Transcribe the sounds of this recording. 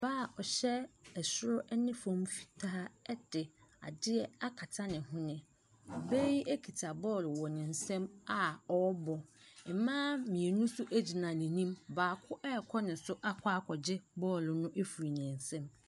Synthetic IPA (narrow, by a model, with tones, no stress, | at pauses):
baː˦˨ɔ˨ɕɛ˦ɛ˨sʊ˦ɾʊ˦ʔɛ˦nɪ̃˦fɔ̃˦mfi̥˨tʰaː˦ɛ˦d̥ɪ˨a̰˨dɪ˦ɛ˦a˦kʰa˨tʰa˦nɪ̃˨hʊ̃˦nɪ̃˨ | be˦i˦ʔe˦kʰi˨tʰa˨bɔː˦˨lʊ˨wɔ˨nɪ̃˨n̩˨sɛ̃˦ma˨ɔ˨ɔ˦bɔ˨m̩˨mãː˦mĩ˨e˨nũ˦sʊ˦ʔæ˦d͡ʑi˨nã˨nɪ̃˨nĩ˦mbaː˨kʰʊ˦ʔɛ˦˨kʰɔ˦nɪ̃˨sʊ˦ʔa˦kʰa˦kʰɔ˨d͡ʑɪ˦bɔː˦˨lʊ˨nʊ̃˦ʔe˦fu˨ɾi˨nɪ̃˨n˨sɛ̃˦m